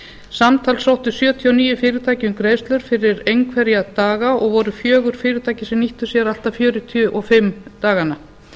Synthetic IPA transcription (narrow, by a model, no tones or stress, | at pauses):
samt̪ʰalsawht̪ʏsjœːt̪ʰjiɔniːjʏfɪːɾɪt̪ʰaːjcʏmkɾeːjst̪lœɾ̥fɪɾɪɾejŋkʰvɛɾjat̪aːɣaʔɔɣvɔɾʏfjœːɣʏɾ̥fɪːɾɪt̪ʰaːjcɪsɛmniht̪ʏsjɛɾal̥t̪afjœːɾʏt̪ʰjʏʔɔfɪmːt̪aːɣana